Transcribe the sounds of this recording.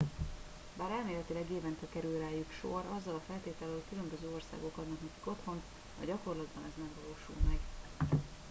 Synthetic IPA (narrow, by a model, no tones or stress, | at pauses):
baːɾɛːmeːlɛt̪ilɛɡeːvɛnt̪ɛkɛɾylraːjykʃorɒzːɒlɒfɛlt̪eːt̪ɛlɛɦo̞ckylømbøzøːo̞rsa̰ːɡo̞kɒd̪nɒknɛki̥ko̞t̪ho̞nt̪ | ɒ̰ɟɒko̞rlɒd̪bɒnɛzmɛɡvɒloːʃṵlmɛɡ